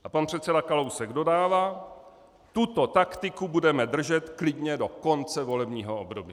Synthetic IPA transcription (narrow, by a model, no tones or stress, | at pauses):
ʔapanpr̝̥ɛt̪sɛdakalo̞wsɛɡdo̞daːvaː | t̪ut̪o̞t̪akt̪ɪkubudɛmɛd̪r̩ʒɛt̪klɪdɲɛdo̞ko̞nt͡sɛvo̞lɛbɲiːɦo̞obdobj